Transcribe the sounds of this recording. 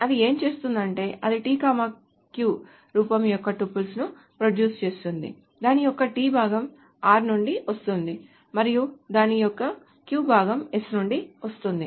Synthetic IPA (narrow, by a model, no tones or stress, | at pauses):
ɐd̪ie̞ːmt͡ʃe̞ːst̪und̪ɐɳʈe̞ːʔɐd̪iʈiːkaːmaː | kjuː | ɾuːpɐmjɔkːɐʈupːulsnu | pɾoɖjuːst͡ʃe̞ːst̪und̪ḭ | d̪aːnijɔkːɐʈiːbʱaːɡɐm | aːɾnuɳɖiʋɐst̪und̪i | mɐɾijud̪aːnijɔkːɐ | kjuːbʱaːɡɐmesnuɳɖiʋɐst̪und̪ḭ